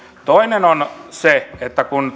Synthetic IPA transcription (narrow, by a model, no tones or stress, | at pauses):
t̪oinenonseet̪ːækun